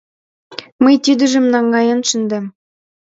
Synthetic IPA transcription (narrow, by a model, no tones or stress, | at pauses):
məjt̪yd̪ə̆ʒə̆mnɑŋɡɑjɑnʃə̆nd̪æm